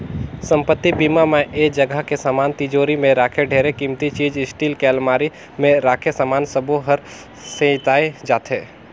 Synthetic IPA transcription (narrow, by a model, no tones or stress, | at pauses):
sə̃mpət̪ːibiːmameʔeːd͡ʒəɡʱəɦkesaːmaːnt̪ɪd͡ʒoːɾimẽɾaːkʰeɖʱeːɾekimt̪it͡ʃiːd͡ʒɪsʈiːlkelmaːɾi | mẽɾaːkʰesaːmaːnsəboɦəɾ | seɪt̪aːed͡ʒaːt̪ʰɦeː